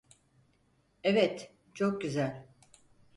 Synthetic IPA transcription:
ɛvɛt̪ | t͡ʃʰo̞k̚ɟyzælʲ

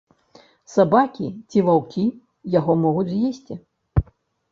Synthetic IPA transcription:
sabakʲit͡sʲivawkʲi | jaɣɔmɔɣud͡zʲzʲjesʲt͡sʲi

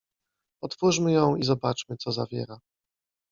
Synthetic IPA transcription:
ɔt̪fuʂmɘjɔ̃w̃izɔbat͡ʂmɘt̪sɔza̰vʲjɛ̰ɾa

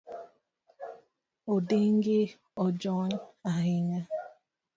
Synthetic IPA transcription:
odɪŋ̩ɡɪ | ɔd͡ʒɔnaɦɪŋa

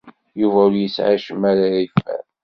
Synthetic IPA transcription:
juvæʊɾjəsʕa̰ʃəmaɾaifæ̰ɾ

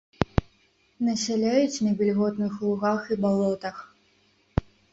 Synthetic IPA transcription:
nɐsʲalʲajut͡sʲnɐbʲilʲɣɔt̪nɨxlˠuɣaxibalˠɔt̪ɐx

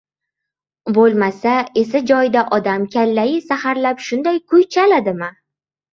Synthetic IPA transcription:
bolˠmasae̞sad͡ʒɒjd̪aʔɒd̪amkʲʰalːajɪsahaɾlapʃʊnd̪ajkʰʊjt͡ʃʰalad̪ɪma

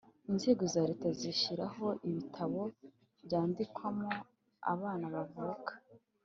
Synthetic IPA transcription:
inze̞ːɡo̞zaːɾetaziʃiɾaɦo̞ʔiβitʰaβo̞ | βɟaːndikwamo | a̰βaːnaβavukḁ

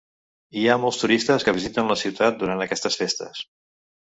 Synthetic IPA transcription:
iamɔlˠst̪uɾist̪əskəβizit̪ənləsiwt̪at̪̚d̪uɾant̪əkɛst̪əsfest̪ə̰s

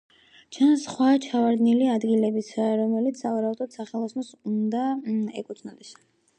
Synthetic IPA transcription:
t͡ʃʰansχwat͡ʃʰavaɾd̪niliad̪ɡilɛbisʰaɾɔmɛlit̪sʰavaɾaud̪ad̪saχɛlˠɔsnɔsund̪aɛkʼut̪sʰnɔd̪ɛs

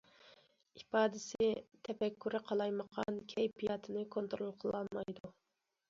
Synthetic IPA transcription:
ipɑːd̪ɪsɪt̪ʰɛpɛkʲːyɾɪqʰɑlˠɑjməqʰɑnkʲʰɛjpijɑt̪ʰɨnɨkʰont̪ɾolˠqʰəlˠɑlˠmɑjd̪u

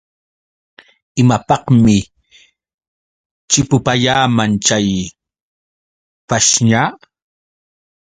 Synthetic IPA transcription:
ɪmapɑhmɪ | t͡ʃɪpʊpaʎaːmant͡ʃaj | paʃɲaː

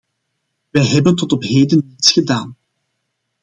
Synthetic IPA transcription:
ʋɛjɦɛbəntɔtɔpɦeːdənitsxədaːn

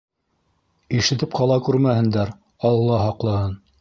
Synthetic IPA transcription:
iʃɘ̆t̪ɘp̚qʰɑlˠɑkʉɾmæhɘ̆nd̪æɾ | ɑlˠɤ̆lˠɑɦɑqlˠɤ̆hɤn

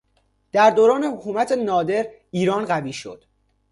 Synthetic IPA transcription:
d̪̥æɾd̪oːɾɒːne̞hokʰuːmæt̪ʰenɒːd̪e̞ɾ | iːɾɒːnɢæviːʃo̰d̪̥

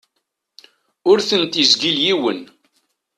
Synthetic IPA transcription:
ʊɾθənt̪izɡiljiwən

